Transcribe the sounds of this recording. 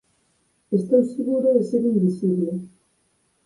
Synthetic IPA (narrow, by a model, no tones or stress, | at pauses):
est̪owseɣuɾoeseɾimbisiβle